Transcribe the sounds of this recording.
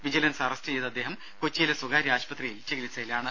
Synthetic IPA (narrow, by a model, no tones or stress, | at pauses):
ʋid͡ʑilɐnsɐrɐstɨt͡ɕejt̪ɐd̪ːe̞ːɦɐm | kot͡ɕːijilesuɡaːɾiaːɕpɐt̪rijilt͡ɕeɡilisːɐjilaːɳɨ